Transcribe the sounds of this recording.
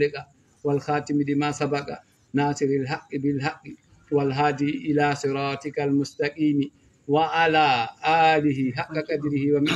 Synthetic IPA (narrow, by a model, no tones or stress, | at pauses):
lɛka | walxaːtimidimasabaka̰ | naːsiɾilɦakːibɪlɦakːi | walɦaːdiʔilaːsɪɾaːtɪkalmʊstakiːni | waʔalaːʔaːliɦiɦakːakʼadɾihiwam